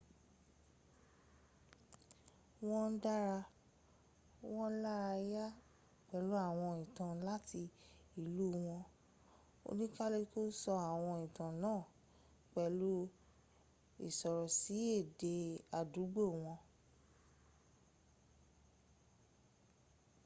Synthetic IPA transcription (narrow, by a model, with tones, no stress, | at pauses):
w̃ɔ̃˦n̩˦da˦ɾa˧ | w̃ɔ̃˦la˦ɾa˧ja˦ | k͡pɛ˨lu˦a˦˨w̃ɔ̃˧ĩ˨tã˨la˦ti˧i˨lu˦˨˦w̃ɔ̃˧ | o̰˧nĩ˦ka˦le˧to˦sɔ˧a˨w̃ɔ̃˧ĩ˨tã˨nãː˦˨ | k͡pɛ˨lu˦ | ḭ˦˨sɔ˨ɾɔ˨si˨˦e˦˨de˧a˨du˨˦ɡ͡bo˦˨w̃ɔ̃˧